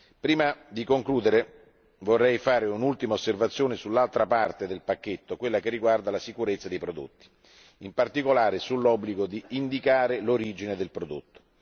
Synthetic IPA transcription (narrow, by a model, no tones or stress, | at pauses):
pɾiːmad̪ikoŋkluːd̪eɾe | vorːɛjfaːɾeunult̪imaosːervat̪sːjoːnesulːalt̪ɾapart̪ed̪elpakːet̪ːokwelːakerːiɡward̪alasikuɾet̪sːad̪ejpɾod̪o̰t̪ːi̥ | impart̪ikolaːɾesulːɔbːliɡod̪iːnd̪ikaːɾeloɾiːd͡ʒined̪elpɾod̪o̰t̪ːo̥